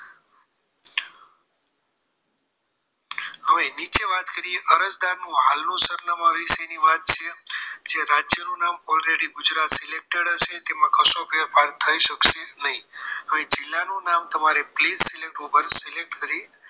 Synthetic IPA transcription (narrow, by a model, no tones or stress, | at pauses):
əʋenit͡ʃeʋat̪kəɾieʔəɾəd͡ʒd̪aɾnũɦalnũsəɾnəmãʋiʃeniʋat̪̚t͡ʃʰed͡ʒeɾad͡ʒjənũnamɔlɾeɽiɡʊd͡ʒɾat̪sɪlek̚ʈəɽəʃet̪emãkəsofeɾpaɾt̪ʰəiʃəkʃenəɦĩəʋed͡ʒɪlːanunamt̪əmaɾeplizsɪlek̚ʈupəɾsɪlek̚ʈkəɾi